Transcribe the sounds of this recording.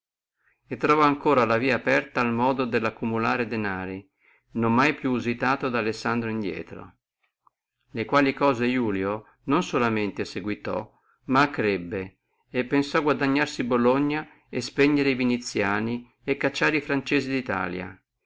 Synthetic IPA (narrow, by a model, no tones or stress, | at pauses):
et̪ːɾɔvɔaŋkoːɾalaviːaːpɛrt̪aːlmɔːd̪od̪elːakːumulaːɾed̪enaːɾi | nomːajpjuːzit̪aːt̪od̪aːlesːand̪ɾoind̪jɛ̰ːt̪ɾo̰ | lekwaːlikɔːzejuːljo | nonsolament̪eseɡwit̪ɔ̰ | makːɾebːeː | pːensɔaɡwad̪aɲːarsiboloɲːa | espeɲːeɾeivinit̪sːjaːni | ekːat͡ʃːaːɾifɾant͡ʃɛːzid̪it̪a̰ːlja̰